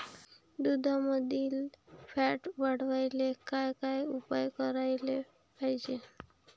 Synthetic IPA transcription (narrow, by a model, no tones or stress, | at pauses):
d̪ud̪ʱaməd̪ʱilpʰɛʈbaɽ̤ʋajlekajkajupajkəɾajle | pajd͡ʒe